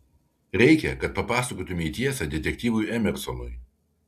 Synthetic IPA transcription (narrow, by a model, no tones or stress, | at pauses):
ɾʲɛɪkʲɛkɐt̪̚pɐpɑːsɐkoːt̪ʊmʲeiːt̪ʲiɛsʲɛd̪ʲɛt̪ʲɛk̚ʲt̪ʲiːʋʊjɛmʲɛɾsɔnʊɪ